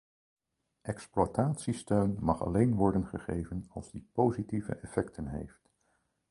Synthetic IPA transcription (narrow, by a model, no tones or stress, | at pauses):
ʔɛksplwataːtsistøɥnmɑχɑ̰lejnʋɔɹdənχəχejvənɑlˠzdipowzitivə̰ʔɛfɛktʰənɦḛjft